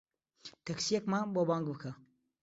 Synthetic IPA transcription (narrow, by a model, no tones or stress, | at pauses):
t̪ʰɐksijekmabobaːŋɡbɨkʰɐ